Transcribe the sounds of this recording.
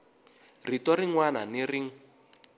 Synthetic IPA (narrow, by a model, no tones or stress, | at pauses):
ritɔɾiŋwananiriŋ̩